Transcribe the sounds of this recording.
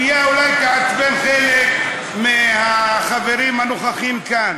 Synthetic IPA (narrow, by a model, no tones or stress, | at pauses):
jeulajkaatbenχelek | mehaχaveɾimhanoχaχimkan